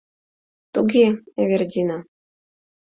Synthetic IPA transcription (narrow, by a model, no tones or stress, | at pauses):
t̪uɡʲieβʲerʲdʲina